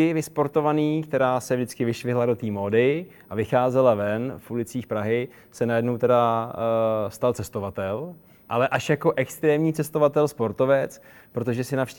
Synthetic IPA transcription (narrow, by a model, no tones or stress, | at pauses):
ɪvɪspo̞ɾt̪o̞vaniːkt̪ɛɾaːsɛvʒdɪt͡skɪvɪʃvɪɦladot̪iːmo̞ːdɪ | ʔavɪxaːzɛlavɛnfulɪt͡siːxpɾaɦɪ | sɛnajɛdnowt̪ɛda | st̪alt͡sɛst̪o̞vat̪ɛl | ʔalɛʔaʃjako̞ʔɛkst̪ɾɛːmɲiːt͡sɛst̪o̞vat̪ɛlspo̞ɾt̪o̞vɛt͡s | pɾo̞t̪o̞ʒɛsɪnafʃ